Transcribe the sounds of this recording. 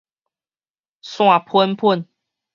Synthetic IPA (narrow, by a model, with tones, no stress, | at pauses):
swa˥˨pʰə˦npʰʊ˥˨n